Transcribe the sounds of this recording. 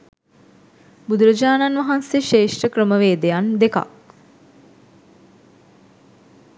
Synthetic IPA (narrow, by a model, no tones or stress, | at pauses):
bud̪uɾəd͡ʒaːnanʋɐɦanseʃeːʂʈəkrəməʋeːd̪ejand̪eka̰k̚